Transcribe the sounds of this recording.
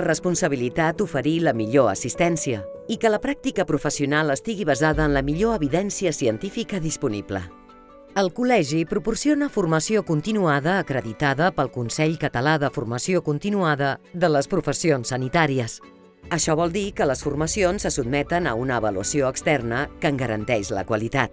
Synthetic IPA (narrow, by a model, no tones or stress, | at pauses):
rəspunsəβilit̪at̪ufəɾiləmiʎoə̰sist̪ɛnsiəikələpɾak̚t̪ikəpɾufəsiunalˠəst̪iɣiβəzaðəːnləmiʎoəβiðɛnsiəsiənt̪ifikəðispunḭblə̰ | əlˠkulɛʒipɾupursionəfurməsiokunt̪inuaðəːkɾəðit̪aðəpəlˠkunsɛʎkət̪əlaðəfurməsiokunt̪inuaðəðələspɾufəsionsːənit̪aɾiəs | əʃɔβ̞ɔlˠd̪ikələsfurməsionsːəsud̪̚mɛt̪ənəunəːβəluəsioəkst̪ɛrnəkəːŋɡəɾə̰nt̪ɛʃlə̰kwəlit̪at̪̚